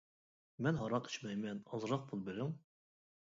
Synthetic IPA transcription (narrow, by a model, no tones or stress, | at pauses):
mɛnɦɑɾɑqi̥t͡ʃmɛjmɛnɑzɾɑq̚pʰulˠbeɾɪŋ